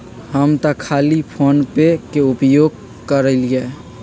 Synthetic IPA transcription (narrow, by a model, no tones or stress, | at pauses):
həmt̪əkʰalipʰonpekeupjoɡ̚ | kəɾəliɛ